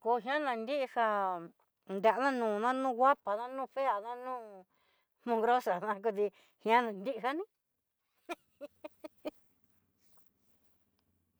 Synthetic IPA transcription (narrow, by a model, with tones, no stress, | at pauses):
ko˧ɦj̃ã˦nã˧˨˧nd̪i˦ʔi˧ha˧ | nd̪e˧˨a˨˧nã˦nũː˨nã˦nũː˦˨˧ɣʷa˦pa˨nã˦nũː˦˨fe˦a˨nã˦nũː˦ | mũ˧˦˧ɡɾo˦sa˨nã˧k̬u˧t̪̬i˧ | hj̃ã˦nã˨˧nd̪i˦ʔɦa˦nĩ˦